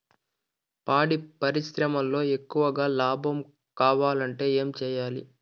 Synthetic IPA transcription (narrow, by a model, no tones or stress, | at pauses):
paːɽipɐɾiʃɾɐmɐlːo̞ːe̞kːuʋɐɡaːlaːbʱɐm | kaːʋaːlɐɳʈe̞ːeːmt͡ʃɛːjaːlḭ